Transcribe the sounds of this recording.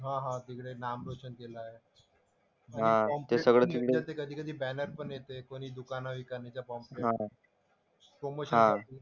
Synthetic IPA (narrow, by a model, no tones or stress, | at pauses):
ɦãːɦãt̪ikɽenaːmɾoːt͡ʃənkeːlaɦɛː | ɦãɔ̃ːmt̪esɐɡɭet̪ikɽeat̪ekɐd̪ʱikəd̪ʱibɛːnəɾpənet̪eɛkoːnid̪ʊkaːnabʱikɐɾnet͡ɕapɔːmpeɦãː | pɾomoːʃənãai